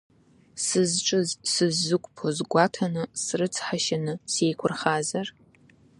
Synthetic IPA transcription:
sɨzʈ͡ʂʼɨzsɨzːɨkʷʼpʰozɡʷɑːtʰɐnɨsrɨt͡sʰʼħaʃɐnɨsejkʷʰʊrχaːzɐr

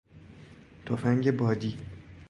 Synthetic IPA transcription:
t̪ʰofæŋɟebɒːd̪iː

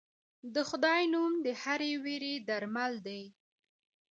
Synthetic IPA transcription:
d̪əxʊd̪ɑjnumd̪əhaɾeweɾed̪aɾmald̪aj

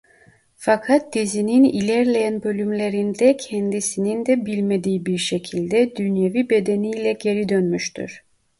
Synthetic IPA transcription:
fakʰat̪̚d̪̥izininilʲæɾlʲejænbø̞lʲymlʲe̞ɾind̪ɛcʰɛnd̪isinind̪ɛbilʲmed̪ijːibiɾʃecʰilʲd̪ɛd̪ynjevibe̞d̪enijlʲɛɟe̞ɾid̪ønmyʃt̪ʰy̰ɾ̥

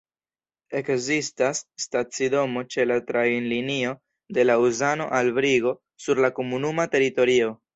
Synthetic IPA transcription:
e̞kzistasːtat͡sido̞mo̞t͡ʃe̞latɾanlinio̞ | de̞lauzano̞̰ʔalbɾiɡo̞ | suɾlako̞munumate̞ɾito̞ɾio̞

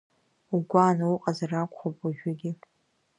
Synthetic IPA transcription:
uɡʷanauqʼazarakʷʰʼχopʼaʒᶣaɡʲɪ

